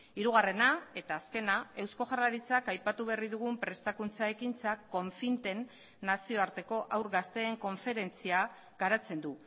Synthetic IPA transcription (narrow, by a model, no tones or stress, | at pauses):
iɾuɣ̞are̞nae̞t̪aːske̞nae̞wsko̞ʝarlaɾit͡sakajpat̪uβe̞riðuɣ̞umpɾe̞st̪akunt͡saekint͡sako̞ɱfint̪e̞nː | asio̞aɾt̪e̞ko̞ʔawɾɣast̪e̞ːŋko̞ɱfe̞ɾe̞nt͡sia | ɡaɾat͡se̞nd̪u